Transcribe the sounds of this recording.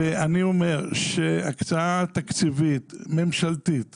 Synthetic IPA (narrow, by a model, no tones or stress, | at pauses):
eʔaniome̞ʁʃeakt͡saat̪akt͡sivit̪me̞mʃalt̪it̪